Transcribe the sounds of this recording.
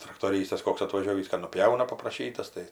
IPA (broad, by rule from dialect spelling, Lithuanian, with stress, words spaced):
trɐktoːˈrʲiːstɐs ˈkoːks ɐtʋɐˈʒʲoːʋʲiːs kɐ nʊˈpʲjɛʊnɐ pɐprɐˈʃʲiːtɐs tɐɪ